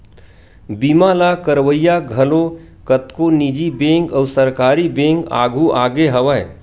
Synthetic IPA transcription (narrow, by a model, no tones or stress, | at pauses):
bimaːlakəɾʋəjaɡʱɐlo | kət̪konid͡ʒibẽːŋkɐːʊsəɾkaːɾibẽːŋka̰ːɡʱuʔaːɡeɦɐʋə